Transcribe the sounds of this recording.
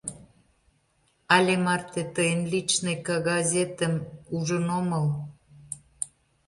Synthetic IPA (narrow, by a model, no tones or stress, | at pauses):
ɑlʲemɑrt̪et̪əjənlit͡ɕnekɑɣɑzʲet̪əmuʒənoməl